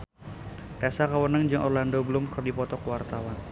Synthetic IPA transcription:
t̪asakəwənəŋd͡ʒɨŋʔɔrlandobəlʊmkərdipɔt̪ɔkəwart̪awan

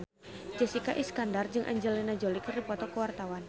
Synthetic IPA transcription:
d͡ʒəsikaʔiskandard͡ʒɨŋʔa̰ɲd͡ʒəlinad͡ʒɔlikripɔt̪ɔkəwart̪awan

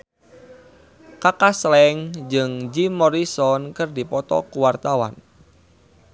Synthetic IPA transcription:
kakaslɛŋd͡ʒɨŋd͡ʒimɔɾisɔnkɨrdipɔt̪ɔ̰kuwart̪awa̰n

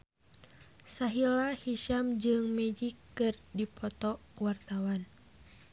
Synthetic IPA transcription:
saɦilahiʃamd͡ʒɨŋmɛd͡ʒikːɨrdipʰɔt̪ɔkuwart̪awan

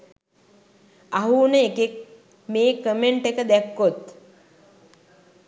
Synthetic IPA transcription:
aɦuːnəekek̚ | meːkəmeɳʈekəd̪ækːot̪

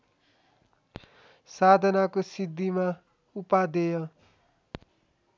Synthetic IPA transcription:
sad̪ʱʌnakosid̪ʱːima | upad̪ejʌ

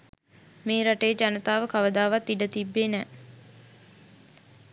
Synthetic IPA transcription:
meːɾaʈəjəd͡ʒanət̪aːʋəkaʋəd̪aːʋat̪ːiɖət̪ibːeːnɛː

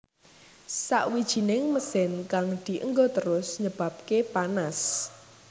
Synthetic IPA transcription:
sa̰ʔwid̥ʒ̥i̤nɪŋməsɪnkaŋd̪̥i̤ʔəŋɡot̪əɾʊsɲəb̥a̤p̚kepanas

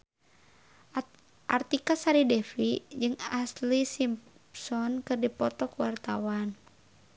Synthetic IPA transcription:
ʔart̪ikasaɾidɛfid͡ʒɨŋaslisimpsɔnkɨrdipɔt̪ɔkuwart̪awan

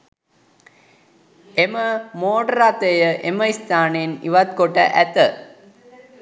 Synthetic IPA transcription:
eməmoːʈəɾat̪əjəʔeməist̪aːnenḭʋɐt̪koʈə̰ʔæt̪ə

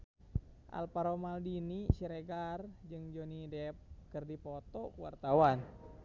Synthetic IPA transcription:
ʔa̰lpaɾomaldinisiɾeɡard͡ʒɨŋd͡ʒonidɛp̚kərdipɔt̪ɔkuwa̰rt̪awan

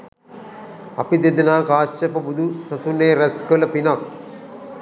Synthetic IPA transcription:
ɐ̰pid̪ed̪ɐnaːkaːst͡ʃɐpɐbud̪usɐsunːeːɾɐskəlɐpinak̚

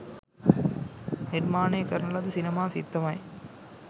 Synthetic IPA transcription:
nɪɾmaːneːkɐɾnɐlɐðɯsɪnɐmaːsɪ̰t̪ːɐʋaːj

